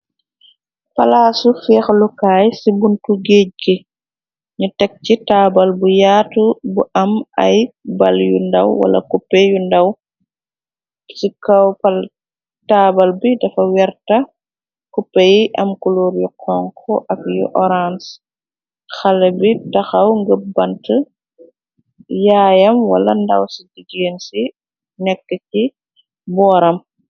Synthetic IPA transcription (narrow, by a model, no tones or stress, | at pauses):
pɐlaːsufɛːxlukaːjsibuntuɡeːc̚ɡi | ɲutɛk̚citaːbɐlbujaːtubuʔɐmɐjbɐljṵndɐwwɐ̰lɐ̰kupːɛjundɐw | sikɐwpɐl | taːbɐlbidɐfɐwɛɾtɐ | kupːɛjiʔɐmkuluːɾjuqʰɔŋkʰɔʔɐkjuʔɔɾans | xɐlːɛbitɐxɐwŋɡəp̚bɐntə | jaːjɐmwɐlɐndɐwsidiɡeːnsi | nɛkːəci | bɔːɾɐm